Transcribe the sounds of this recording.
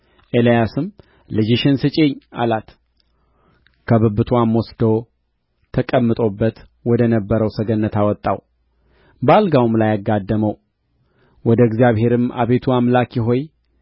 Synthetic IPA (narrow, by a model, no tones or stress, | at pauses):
ʔelijasɨm | lɨd͡ʒiʃɪnsɨt͡ʃʼe̞ɲːa̰lat̪ | kʰəβɨbɨt̪ʰuamwɔsd̪ow | t̪ʰəkʼəmːɨt̪ʼo̞bːət̪ | wɔd̪ənəbːəɾəwsəɡənːət̪ʰawɔt̪ʼːaw | bəalɡawmlajaɡːad̪ːəməw | wɔd̪əɡzjaβhe̞ɾɨma̰βe̞t̪ʰuamlakjɪɦo̞j